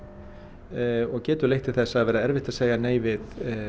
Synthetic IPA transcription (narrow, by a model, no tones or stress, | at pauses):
ɔɣcɛːt̪ʏlejht̪ɪ̥θɛsːaðvɛːɾaɛɾvɪht̪aðseːjaneːjvɪð